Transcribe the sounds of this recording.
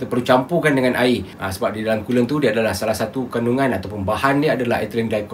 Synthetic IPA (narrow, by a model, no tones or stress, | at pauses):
t̪upərlut͡ʃampukandəŋãnʔaiʔəsəbap̚didalamkuləŋt̪udiadalahsalahsat̪ukanuŋãnat̪awpunbahanːiadala̰ɦɛ̰t̪ɾiŋdak